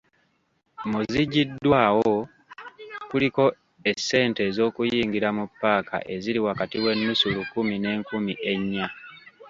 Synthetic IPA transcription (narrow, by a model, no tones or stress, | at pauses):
muziɟidːwaːwo | kuliko̞ | e̞sːe̞ːnte̞ːzo̞ːkujiːŋɡiɾamupːaːka̰ʔe̞ziɾiwakatiwe̞nːusulukumine̞ːŋkumiʔe̞ɲːa